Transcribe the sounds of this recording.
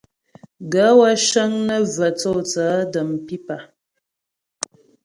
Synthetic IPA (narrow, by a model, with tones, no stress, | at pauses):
ɡa˨˦wa˦ʃə˦ŋnə˦və˨t͡sɔ˦˨t͡saː˨˦də˨mpi˦pa˨